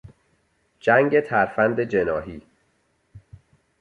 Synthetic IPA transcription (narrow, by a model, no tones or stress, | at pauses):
d͡ʒæŋɟe̞t̪ʰæɾfænd̪e̞d͡ʒenɒːɦiː